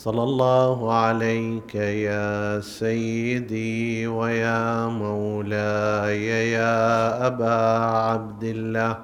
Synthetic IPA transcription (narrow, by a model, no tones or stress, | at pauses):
sˤɑlːɑlˤːɑːɦʊʕalajkajaːsajːɪd̪iːwajaːmawlaːjajaːʔabaːʕabd̪ɪlːaːh